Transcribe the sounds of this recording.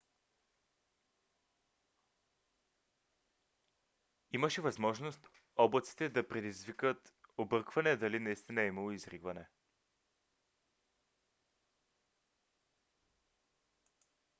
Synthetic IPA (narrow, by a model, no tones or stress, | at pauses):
iməʃɛvɐzmɔʒnost̪ | ɔblˠɐt̪si̥t̪ɛd̪ɐpɾɛd̪izvikət̪obɤɾkvɐnɛd̪ɐlinɐist̪inɐɛimɐlˠoizɾiɡvɐnɛ